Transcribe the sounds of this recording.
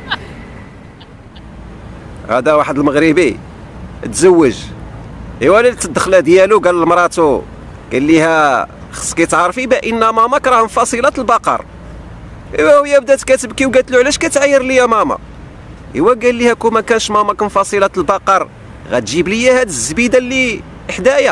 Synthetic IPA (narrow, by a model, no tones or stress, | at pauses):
hæ̰d̪æwaħəd̪əlməɣɾibi | t̪zəwːəʒ | hiwælit̪ːəd̪ːəxlæd̪jæluɡæləlmɾˤɑt̪u | ɡ̥ælːihæ | xə̥sˤːkæjt̪ʕɑɾˤfibæʔənːæmæmɑkɾˤɑhmfɑsˤəlɑt̪əlbɑqɑ̰ɾˤ | hiwæhəjːæbd̪æt̪kæt̪əbkiwɡæt̪luʕlæʃkæt̪ʕajːəɾˤlijæmæmɑ̰ | hḭwæɡælːihækumækænʃmæmɑkmfɑsˤəlɑt̪lbɑqɑɾˤ | ɣæ̰t̪ʒiblijæhæd̪əzːbid̪ælːi | ħd̪æjæ